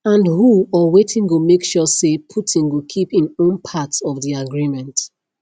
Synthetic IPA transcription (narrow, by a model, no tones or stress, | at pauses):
ãndhuɔwetʰɪ̃ŋɡomekʃɔsepʰutʰĩŋɡokʰipĩnõnpʰatsɔvðiaɡɹimɛ̃nt